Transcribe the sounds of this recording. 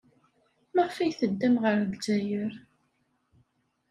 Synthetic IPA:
maʁfæjθəd̪ːæmʁəɾdzæjəɾ

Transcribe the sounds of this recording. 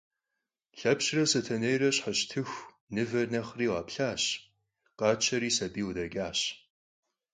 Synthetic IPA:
ɬɐpɕrɐsɐtʰɐnejrɐɕħaɕtʰɨxʷ | nɨvɐrnɐχriːwɑːpɬaːɕ | qʼɑːt͡ʃʰɐɾiːsɐbiːwʊdɐɡʲaːɕ

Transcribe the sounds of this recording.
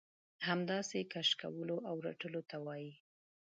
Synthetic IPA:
hamd̪ɑsekaʃka̰wəloʔawɾa̰ʈəlot̪awɑji

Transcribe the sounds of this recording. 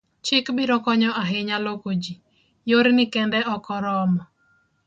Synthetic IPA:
t͡ʃɪkbiɾɔkɔɲɔʔaɦɪɲalokod͡ʒi | joɾnɪkɛnd̪ɛʔɔkɔɾɔmɔ

